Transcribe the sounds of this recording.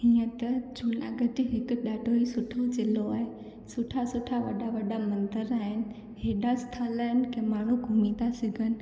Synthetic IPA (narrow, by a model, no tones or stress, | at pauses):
hiːə̃t̪ɐd͡ʒʱulã̰ɡəʈɪɦɪkʊɗaːɖʱoisʊʈʰot͡ʃeloaːɦe | sʊʈʰasʊʈʰaʋɐ̰ɗaʋɐɗamɐ̃nt̪əɾaːɦɪnɪ̆ | ɦeːɗast̪ʰalaːɦɪnɪ̆kẽmaːɳ̤ũɡʱʊmĩt̪asɪɡʱənɪ̆